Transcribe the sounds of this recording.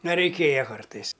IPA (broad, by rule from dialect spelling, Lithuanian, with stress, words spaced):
ˈnɐ rʲɛɪˈkʲeːjɛ ˈkɐrtɐɪs